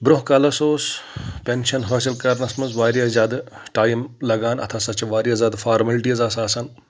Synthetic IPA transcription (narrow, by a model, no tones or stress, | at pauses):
bɾuɦkɐlɐsoːspʲenʃɐnɦɐːs̬ɐlkɐɾnɐsmɐzʋaːɾjazʲaːd̪ | ʈaːjmlɐɡaːnɐ̰t̪ʰaːsɐt͡ʃiʋaːɾijɐzʲaːd̪faːɾmɐlʈizaːsaːsɐn